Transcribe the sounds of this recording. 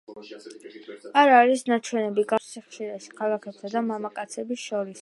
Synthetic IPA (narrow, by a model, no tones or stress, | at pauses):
aɾaɾisnat͡ʃʰwɛnɛbiɡafsiχʃiɾaʃi̥kʰalˠakʰɛpt̪ʰad̪amamakʼat̪sʰɛbisʃɔɾis